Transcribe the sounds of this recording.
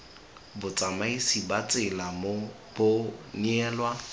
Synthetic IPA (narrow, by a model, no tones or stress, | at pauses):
bʊt͡sʼamaisibat͡sʼɪlamo | b̥ʊniɛːlwa